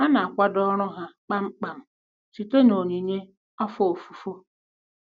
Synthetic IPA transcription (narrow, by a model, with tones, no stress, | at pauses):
ha˦na˨a˨kʷa˦dɔ˦ɾ̃ʊ˦ɦa˦k͡pa˦ŋ͡m̩˦k͡pa˨m̩˨ | t͡ʃi˨te˦no˨ɲi˨ɲe˦ | ɔ˦fɔ˨o˨fu˨fo˦